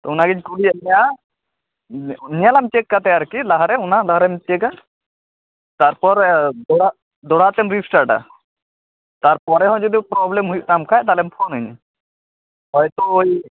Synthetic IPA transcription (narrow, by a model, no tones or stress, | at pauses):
t̪ɔunaɡid͡ʒkuɽiɛnɛja | nijalamt͡ʃekːat̪ɛjaɾkilaɦaɾɛunalaɦɾɛmt͡ʃeka | t̪aɾpɔɾd̪ɔɽa | d̪ɔɽat̪ɛmɾipsʈaɾʈa̰ | t̪aɾpɔɾɛɦɔ̃d͡ʒud̪ipɾɔblɛmɦujuʔnamkʰajt̪alɛmpʰɔnɦuɲ̰ | ɦɔjt̪ɔoj